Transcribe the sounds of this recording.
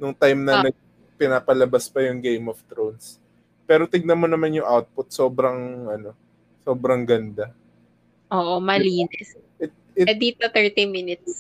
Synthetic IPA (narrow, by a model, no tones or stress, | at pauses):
nʊŋt̪ajmnɐnɐɡ̚ | pɪnaːpɐlɐbaspɐjʊŋɡejmɔft̪ɾowns | pɛːɾot̪ɪɡ̚nɐmo̞nɐmanjʊŋʔawt̪̚pʊt̪̚so̞ːbɾɐŋʔɐno̞ | so̞ːbɾɐŋɡɐnd̪a | ʔoːʔomɐliːnɛs | ʔɪt̪̚ɪd̪iːt̪ot̪ɛɹt̪imɪnɪt̪̚s